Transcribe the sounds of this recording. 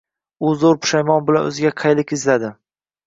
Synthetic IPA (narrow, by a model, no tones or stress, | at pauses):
ʊzoɾpʰʊ̥ʃajmɒnbɪla̰nɵ̰zɪɡʲaqʰɑjlɪkʲɪzlad̪ɪ